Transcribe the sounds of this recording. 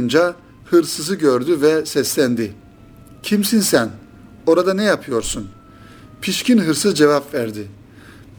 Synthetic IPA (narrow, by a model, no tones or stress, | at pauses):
und͡ʒa | hɯɾsɯzɯɟøɾd̪yvɛsɛslʲænd̪ɪ | cʰimsinsæn | o̞ɾad̪anɛjapʰɯjo̞ɾsun | pʰiʃcʰinɦɯɾsɯzd͡ʒevapvæɾd̪ɪ